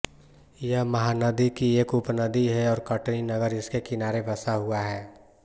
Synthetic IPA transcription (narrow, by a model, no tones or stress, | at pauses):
jəɦmɐɦanəd̪ikieːkʊpnəd̪iɦɛɔːɾkəʈninɐɡəɾɪskekɪnaːɾebɐsaɦʊaɦɛː